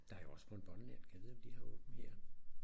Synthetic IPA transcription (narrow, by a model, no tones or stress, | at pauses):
d̥ɑ̈æɐoɒ̽spʰɔnb̥ɒ̽nleɐ̰nkʰæʋið̰ˠɒmd̥ihɑ̈ɔ̰ːb̥̚n̩heɐ̰